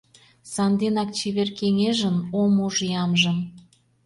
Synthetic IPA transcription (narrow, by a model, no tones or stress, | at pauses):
sɑnd̪enɑk̚t͡ɕeβerkeŋeʒənomoʒjɑmʒə̆m